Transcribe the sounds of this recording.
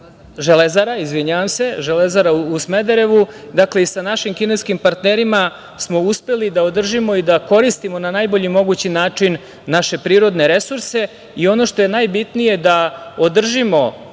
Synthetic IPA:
ʒelezaɾaizʋiɲaʋamse̞ʒelezaɾauusmed̪eɾe̞ʋud̪akle̞isanaʃimkineskimpaɾt̪neɾima | smo̞uspe̞lid̪aod̪r̩ʒimo̞id̪ako̞ɾist̪imo̞nanajbo̞ʎimo̞ɡut͡ɕinaːt͡ʂinː | aʃe̞pɾiːɾo̞d̪ne̞ɾe̞suɾse̞ | io̞no̞ʃt̪o̞je̞najbit̪nije̞d̪aod̪r̩ʒimo̞

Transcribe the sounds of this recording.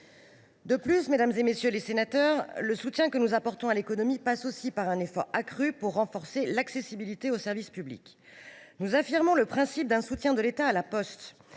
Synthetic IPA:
d̪əplysmed̪amzemesjølesenat̪œʁləsut̪jɛ̃kənuzapɔʁt̪ɔ̃alekɔnɔmipasosipaʁɛ̃nefɔʁakχypuʁːɑ̃fɔʁselaksesibilit̪eosɛʁvispyblḭk | nuzafiʁmɔ̃ləpχɛ̃sip̚d̪ɛ̃sut̪jɛ̃d̪əlet̪aːlapɔst̪

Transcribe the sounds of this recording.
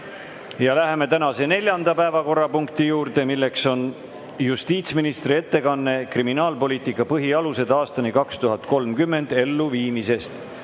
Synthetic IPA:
jɑlæɦe̞me̞t̪ænɑse̞ne̞lʲjɑnd̪̥ɑpæe̞vɑko̞rːɑpuŋkt̪ijuːɾd̪e̞milːe̞kso̞n | just̪iːt̪sminist̪rie̞t̪ːe̞kɑnːe̞kriminɑːlpo̞lʲiːt̪ikːˑɑpɤɦiɑluse̞d̪ɑːst̪ɑnikɑkst̪uɦɑt̪ko̞lmkymːe̞nd̪̥e̞lːuviːmise̞st̪

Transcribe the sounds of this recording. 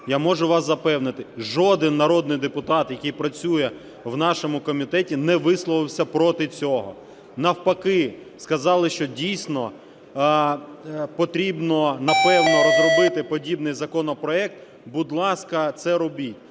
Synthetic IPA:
jamɔʒʊʋɑszɐpɛwnɪt̪ɪʒɔd̪ɪnːɐɾɔd̪nɪjd̪epʊt̪ɑt̪jɐkijpɾɐt͡sʲujɛ | wnɑʃɔmʊkɔmʲit̪ɛtʲinɛʋɪslˠɔʋɪwsʲɐpɾɔt̪ɪt͡sʲɔɦɔ̰ | nɐwpɐkɪ | skɐzɑlˠɪʃt͡ʃɔdʲijsʲnɔ | pɔt̪ɾʲibnɔnɐpɛwnɔɾɔzrɔbɪt̪ɪpɔdʲibnɪjzɐkɔnɔpɾɔɛk̚t̪ | bʊd̪lˠɑskɐt̪sɛɾɔbʲitʲ

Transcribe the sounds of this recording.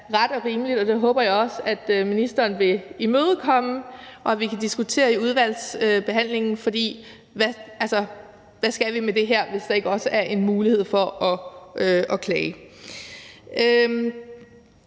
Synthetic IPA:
ʁɑd̥ɒ̽ʁiːməlid̥ɒ̽d̥e̝ɦɔ̽ːb̥ɐjɑ̈ɪɒ̽sæd̥minisd̥ɐːnʋe̝imøːð̞̩ˠkʰɒ̽məʔɒ̽æʋikʰæd̥isɡ̥ut͡sʰe̝̰ːɐiuð̞ˠʋæl̰sb̥e̝ɦæn̰le̝ŋn̩fɒ̽d̥ḭː | ʋæælsɒ | ʋæsɡ̥æʋimed̥e̝ɦeɐ̰ʋe̝sd̥ɑ̈e̝ɡ̥əɒ̽səæɐʔe̝nmuːlihe̝ð̞̰ˠfɒ̽ʔɒøɒ̽kʰlɛː | ø

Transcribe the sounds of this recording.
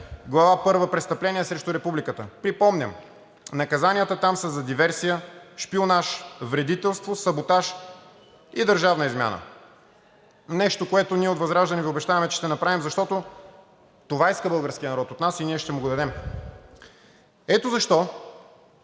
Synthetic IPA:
ɡlˠɐvapɤɾvəpɾɛtst̪ɐplɛniɛsɾɛʃt̪ʊɾɛpublikət̪əpɾipɔmnʲə̰m | nɐkɐzanijət̪ət̪amsəzɐd̪ivɛɾsijəʃpionaʃvɾɛd̪it̪ɛlˠst̪vosɐbot̪aʃ | id̪əɾʒavnəizmʲja̰nə̰ | nɛʃt̪okoɛt̪oniɛot̪vɐzɾaʒd̪ɐniviobɛʃt̪avɐmɛt͡ʃɛ̥ʃt̪ɛnɐpɾavimzɐʃt̪ɔt̪o | t̪ovaiskəbɤlˠɡəɾskʲijənɐɾɔt̪ot̪nasiniɛʃt̪ɛmʊɡʊd̪ɐd̪ɛm | ɛt̪ozɐʃt̪ɔ

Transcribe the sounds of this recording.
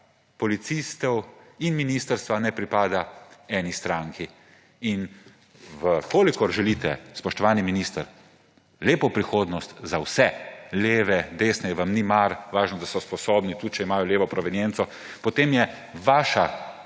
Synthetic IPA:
pɔlit̪sist̪ɛwinminiːst̪əɾst̪ʋanɛpɾipaːd̪aɛːnist̪ɾaːŋki | in | ʋəkoːlikɔɾʒɛlit̪ɛ̰spɔʃt̪ɔʋaːniminist̪əɾ | leːpɔpɾixoːd̪nɔst̪zawsɛleːʋɛd̪eːsnɛjɛʋamnimaɾʋaːʒnɔd̪asɔspɔsoːbnit̪ut͡ʃɛimaːjɔleːʋɔpɾɔʋɛnjɛnt̪sɔ | pɔt̪eːmjɛ | ʋaːʃa

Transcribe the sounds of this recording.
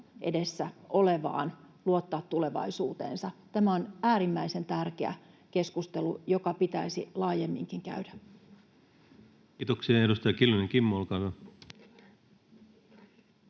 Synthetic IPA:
ʔe̞̰de̞sːæʔo̞le̞ʋɑ̰ːn | luot̪ːɑːt̪tːule̞ʋɑ̰isuːt̪e̞̰ːnsɑt̪æmæo̞næːɾimːæise̞nt̪ærkeæ̰ | ke̞skust̪elujo̞kɑpit̪æisilɑːje̞mːiŋkiŋkæ̰ydæ | kiːt̪oksiɑeɾust̪ɑjɑkilːoniŋkimːolkɑʋo

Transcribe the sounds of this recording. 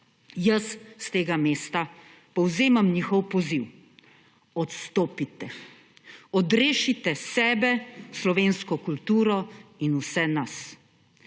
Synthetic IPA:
jɐsst̪eːɡameːst̪a | pɔwzeːmamɲixɔwpɔziw | ɔt̪st̪oːpit̪ɛ | ɔd̪ɾeːʃit̪ɛsɛːbɛslɔʋeːnskɔkult̪uːɾɔinusɛnas

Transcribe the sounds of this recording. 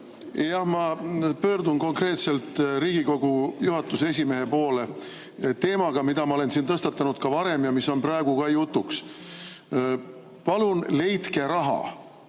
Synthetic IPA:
jɑhmɑpø̞ːrd̪unko̞ŋkre̞ːt̪se̞lt̪ˑɾiːɡ̥iko̞ɡujuɦɑt̪ːˑuse̞s̬ʲime̞ɦe̞po̞ːle | t̪e̞ːmɑɡ̥ɑmid̪̥ɑmɑole̞nsiːnt̪ɤst̪ɑt̪ːˑɑnud̪̥̚kɑvɑɾe̞mjɑmisːo̞nprɑeɡ̥ukɑjut̪ːˑuks | pɑlunle̞jt̪ke̞ɾɑɦɑ̰

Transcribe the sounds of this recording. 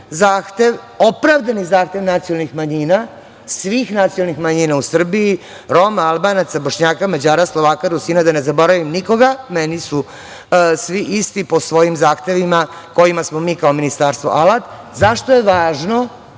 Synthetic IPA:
zaːxt̪e̞ʋ | o̞pɾaːʋd̪anizaːxt̪e̞ʋnat̪sijolˠnixmaɲiːna | sʋiːxnat̪siolˠnixmaɲiːnausr̩bii | ɾo̞maalbanat̪sabo̞ʃɲaːkamad͡ʑaːɾaslo̞ʋaːkaɾusiːnad̪ane̞zabo̞ɾaʋimniko̞ɡamenisu | sʋiʔist̪ipo̞sʋo̞jimzaːxt̪e̞ʋima | ko̞jimasmo̞miːkaominist̪aːɾst̪ʋoʔalat̪ | zaʃt̪ojeʋaːʒno̞

